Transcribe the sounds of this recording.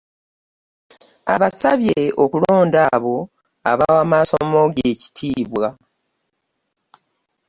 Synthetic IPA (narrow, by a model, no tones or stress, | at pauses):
a̰βasaβjeokulo̞ːndaβo̞ | a̰βawaːmaːsommo̞ɡeːci̥tʰiːβwa